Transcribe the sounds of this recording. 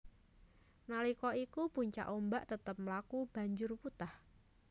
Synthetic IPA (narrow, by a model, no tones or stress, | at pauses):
nalikɔikupuɲt͡ʃa̰ʔombaʔt̪ət̪əp̚məlakub̥a̤ɲd͡ʒʊrput̪ah